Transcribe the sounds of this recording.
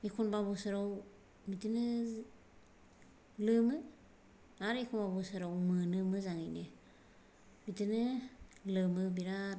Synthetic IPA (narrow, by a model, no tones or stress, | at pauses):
ikʰunbaβusɯɾaw | mitɯnɯ | lɯmɯ | aɾekʰunbabusɯɾawmɯnɯmɯzaŋijne | mitɯnɯlɯmɯbiɾa